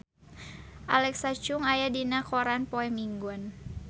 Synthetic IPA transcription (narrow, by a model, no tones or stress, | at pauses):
ʔalɛksat͡ʃʊŋajadinakɔɾanpɔɛmiŋɡɔn